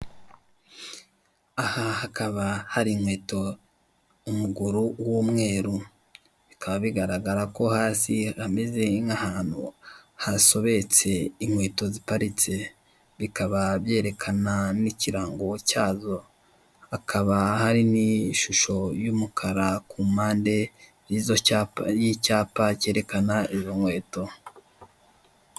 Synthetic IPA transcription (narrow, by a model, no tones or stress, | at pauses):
ahahakaβahaɾimwe̞ːto̞ | umuɡuɾuwuːmŋe̞ːɾu | βikʰaβaβiɡaɾaɡaɾako̞haːsihameze̞ŋahaːn̥hṵhaso̞βe̞t͡se̞imwe̞ːto̞zipaɾit͡se̞ | βikaβaβje̞ːɾe̞kʰananiciɾaːŋɡo̞caːzo̞ | akʰaβahaɾiniʃuʃo̞jumukʰaɾakumaːnde̞ | ɾiːzoajicaːpace̞ːɾe̞kanaizo̞ŋwe̞ːto̞